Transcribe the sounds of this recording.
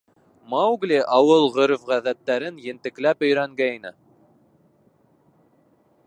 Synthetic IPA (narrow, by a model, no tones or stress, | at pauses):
mɑwɡlʲiʔɑwɤlˠʁɵɾŏfʁæðæt̪ːæɾɘnjɘ̆nt̪ɘ̆klæpɵ̆jɾæŋɡæjnɘ̰